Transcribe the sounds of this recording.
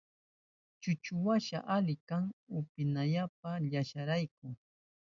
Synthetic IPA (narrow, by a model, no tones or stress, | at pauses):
t͡ʃʊt͡ʃʊwaʃa̰ʔalɪkaŋʊpɪnaʎap̚aʎaʃaɾajk̚ʊŋ